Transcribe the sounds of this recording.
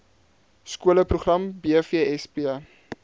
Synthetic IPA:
skuələprɾuχrɐmbiəfiəɛspiə

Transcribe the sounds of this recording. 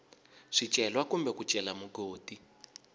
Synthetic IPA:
ʂit͡ʃʼɛlwakumbɛkut͡ʃʼɛlamuɡoːti

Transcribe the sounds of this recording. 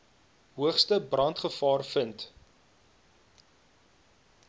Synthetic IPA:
ɦuəχstəbrɐntχəfɑːrfənt

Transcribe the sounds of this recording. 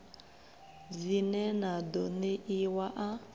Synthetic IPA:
zinɛnadoneʔiwaʔa

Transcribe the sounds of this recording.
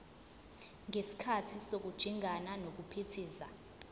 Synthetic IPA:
ŋʱesi̥kʰatʰisok̬ud̥ʒ̥ʱiŋʱananok̬upʰitʰiːza

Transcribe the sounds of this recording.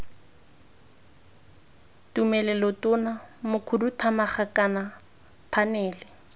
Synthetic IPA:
tumɛlɛlɔtʊnamʊkʰʊrutʰamaχakana | pʰanɛːlɛ

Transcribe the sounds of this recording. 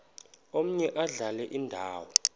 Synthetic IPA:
om̩ɲɛʔaɮalɛʔindʱaːwɔ

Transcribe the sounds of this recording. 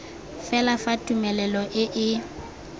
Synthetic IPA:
fɛlafatʼumɛlɛlɔʔɪʔɪ

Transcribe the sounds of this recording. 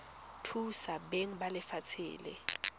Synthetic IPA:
tʰusabeŋ̩balɪfat͡sʰḭːlɛ̰

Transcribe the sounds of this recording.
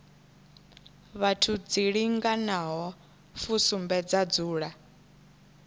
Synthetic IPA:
βatʰud͡ziɺiŋɡanaɦɔ | fusumbɛd͡zad͡zuːɺa

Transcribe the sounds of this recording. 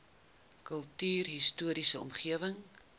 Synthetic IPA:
kəlˠtyːrɦistuəɾisəɔ̰mχiəvəŋ

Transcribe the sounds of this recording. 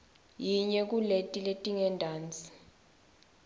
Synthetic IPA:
jiɲɛk̬uletʼiletʼiŋɛndʱaːnt͡sʼi̥

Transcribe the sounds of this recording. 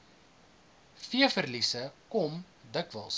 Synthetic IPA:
fiəfərlisəkɔm | dəkvə̰lˠs

